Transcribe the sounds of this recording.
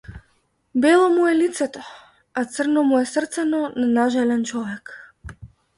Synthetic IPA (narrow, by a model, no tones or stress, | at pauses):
bɛlˠɔmuɛlit̪sɛt̪ɔ | at̪sər̩nɔmuɛsr̩t̪sɛnɔnanaʒɛlɛnt͡ʃɔvɛk